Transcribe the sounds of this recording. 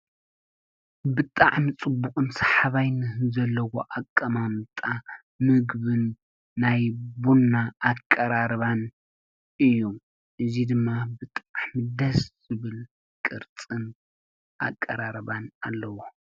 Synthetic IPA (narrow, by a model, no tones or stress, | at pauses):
bɨt̪ʼaʕmit͡sʼɨbːuqʼɨnsḁħaβajnɨhzɐlːɐwoʔakʼːɐmamt̪ʼa | mɨɡbɨnː | ajbunːaːkʼːɐɾaɾβan | ɨjːu | ʔɨzid̪ɨmːabɨt̪ʼaʕmid̪ɐsz̥ɨβɨl | kʼɨɾt͡sʼɨn | ʔa̰kʼːɐɾaɾβanalːɐwo